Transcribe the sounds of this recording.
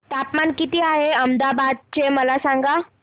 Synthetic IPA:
t̪apmankit̪iːaɦeəmd̪abad̪̚t͡ɕeməlasãŋɡa

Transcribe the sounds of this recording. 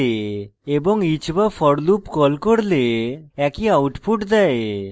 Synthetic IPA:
eebɔŋit͡ʃbafʰɔɽlupkɔlkoɽleɛkiawʈpʰuʈd̪ae

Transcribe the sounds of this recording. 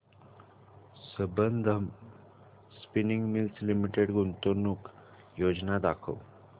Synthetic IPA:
səbənd̪ʱəm | spiniŋɡmilslimiʈeɽɡunt̪onuk | jod͡znad̪akʰə̰w

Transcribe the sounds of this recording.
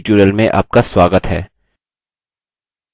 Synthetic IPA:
t͡ʃuɾəlmẽʔa̰ːp̚kaswaːɡət̪ɦɛ̰ː

